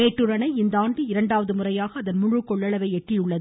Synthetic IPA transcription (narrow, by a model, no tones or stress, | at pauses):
eːʈːɯɾɐnɐɪɪnd̪ɐaːɳɖɯɪɾɐɳɖaːʋɐðɯmʊrɐjaːɣɐːðɐnmʊɻɯkːɔɭːɐɭɐʋɐɪɛʈrɪjɯɭːɐð